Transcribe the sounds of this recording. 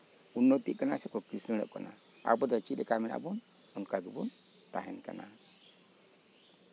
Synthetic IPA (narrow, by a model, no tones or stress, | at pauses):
unːopḭkənasikɔkisinɾɛ̰kɔ̰na | a̰bodat͡ʃidikamiɾa̰bun | unkaɡibun | ta̰hinkə̰na